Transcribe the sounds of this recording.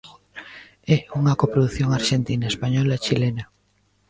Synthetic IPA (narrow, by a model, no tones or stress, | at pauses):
ɛuŋakopɾoðuθjoŋaɾʃent̪inaespaɲɔlat͡ʃilena